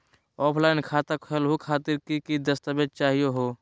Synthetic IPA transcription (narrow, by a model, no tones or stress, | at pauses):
ɔːpʰlaːɪnkʰaːt̪əpʰɛlɦukʰaːt̪iɾkikid̪əst̪əbed̪̚t͡ʃaːɦijoɦoː